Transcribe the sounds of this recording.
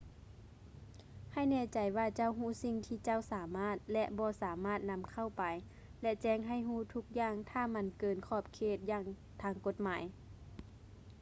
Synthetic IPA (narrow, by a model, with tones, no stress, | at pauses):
ha˧˩jnɛː˧˥˨t͡ɕa˨˩jwaː˧t͡ɕa˧˥˨wɦuː˧˥˨si˧ŋt̪ʰiː˧˩t͡ɕa˧˥˨wsaː˨˦maː˧˥˩t̪̚lɛ˧ʔbɔː˧˦saː˨˦maː˥˩t̪̚na˧˥mkʰa˧˥˩wpa˨j | lɛ˧˥t͡ɕɛː˧˩ŋɦa˧˩jɦuː˧˩˨t̪ʰu˧˥k̚jaː˧˨ŋt̪ʰaː˧˩ma˧˥˨nkɤː˨nkʰɔː˧˩p̚kʰeː˧˩t̪̚jaː˧˩ŋ | t̪ʰaː˧˥ŋko˧t̪̚maː˨˦j